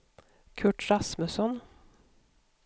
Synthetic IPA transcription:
kʰʉʈɾɑsməsɔn

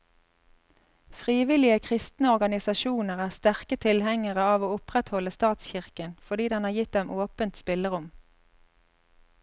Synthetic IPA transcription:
fʁiːʋɪlɪəkʰʁɪst̪nəɔʁɡɑnɪsɑʃuːnəʁæːʁst̪æʁkət̪ʰɪlhɛŋəʁəɑːʋoːʊpʁɛt̪hɔləst̪ɑːt̪sçɪʁkənfɔʁd̪iːd̪ɛnhɑːʁjɪt̪̚d̪ɛmʔoːpənt̪spɪləʁʊm

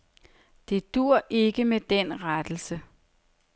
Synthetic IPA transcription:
d̥e̝d̥uɐ̰ʔe̝ɡ̥əmed̥enʁad̥l̩sə

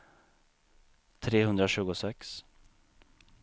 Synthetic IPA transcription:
t̪ʰɾeːhɵnd̪ɾaɕʉ̟ːɡʊsɛks

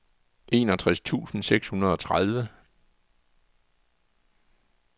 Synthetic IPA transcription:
ʔe̝ːnɒt͡sʰʁast͡sʰṵːsn̩seɡ̥shunɐð̞ˠɒ̽t͡sʰʁað̞ˠʋə

